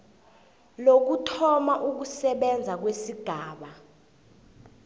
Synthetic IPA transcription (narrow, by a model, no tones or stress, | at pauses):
lok̬utʰɔmaʔuk̬usɛɓɛnd͡zʱak̬wesiɡ̥ʱaːɓa